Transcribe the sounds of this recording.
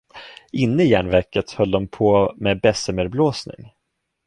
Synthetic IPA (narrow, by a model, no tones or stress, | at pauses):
ɪnːəɪjæːɳvæɾkət̪hœld̪ɔmpʰɔmɛːbɛsəmɛɾbloːsnɪ̰ŋ